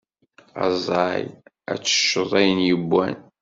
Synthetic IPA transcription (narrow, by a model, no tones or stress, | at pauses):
ɑ̰zˤɑj | æ̰t͡sːə̥ʃːoðˤæjənjəbːæ̰n